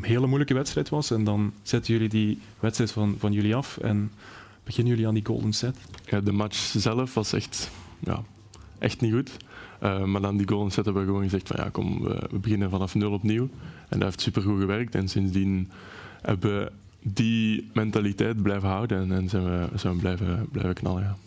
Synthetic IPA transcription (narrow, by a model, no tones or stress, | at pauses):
nɦeːləmujləkəʋɛtstrɛjtʋɑsɛndɑnz̥ɛtənjɵlidi | ʋɛtstɾɛjtfɑnvɑnjɵliɑfɛ̰n | b̥əɣɪnənjɵliaːndiɡo̰lˠdənsɛtjadəmat͡ʃzɛləfʋɑsɛ̰xtja̰ː | ʔɛ̰xtniɣutʔəmaːrdaːndiɡoːlˠdənsɛtɦɛbəʋəɣəʋoːnɣəzɛxtfɑ̰nja̰ːkɔ̰mʋə̰ʋə̰bəɣɪnənvɑnɑfnɵlˠɔpniwɛ̰ndateːftsypərɣuɣəʋɛrək̚tɛnsɪnzdin | hɛ̰bəʋə | dimɛntalitɛjt̚blɛjvəɦɑwdənɛnzɛnəəzɛəblɛjvəblɛ̰jvəknɑ̰ləɣaː